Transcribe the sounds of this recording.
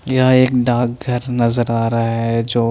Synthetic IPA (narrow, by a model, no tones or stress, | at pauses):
jɐɦãeːkɖaːk̚ɡʱɐɾnɐzəɾaːɾaaɦɛd͡ʒoː